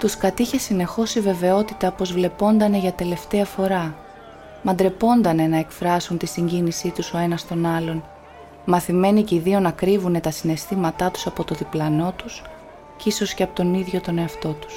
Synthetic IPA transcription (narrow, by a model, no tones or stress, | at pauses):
t̪uskɐt̪içe̞sine̞xo̞sive̞ve̞o̞t̪it̪ɐpo̞zvle̞po̞nd̪ɐne̞ʝɐt̪e̞le̞ft̪e̞ɐfo̞ɾɐ | mɐnd̪ɾe̞po̞nd̪ɐne̞nɐekfɾɐsunt̪isiɲɟinisit̪uso̞e̞nɐst̪o̞nɐlo̞n | mɐθime̞niciðio̞nɐkɾivune̞t̪ɐsine̞st̪imɐt̪ɐt̪u̥sɐpo̞t̪o̞ðiplɐno̞t̪us | ciso̞sceɐpot̪o̞niðʝo̞t̪o̞ne̞ɐft̪o̞t̪u̥s